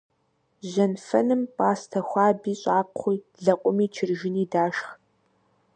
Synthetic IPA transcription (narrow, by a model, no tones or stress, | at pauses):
ʑɐnfɐ̰nɨmpʼaːstʰɐxʷɑːbiːɕʼaːqʰʷiːɮɐqʷʼʊmiːt͡ʃʰɪrʒɪniːdaːʃx